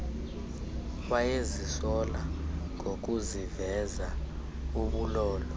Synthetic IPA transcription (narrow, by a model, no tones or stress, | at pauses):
ɓajezisɔlaŋɡʱok̬uzivɛza | uɓulɔːlɔ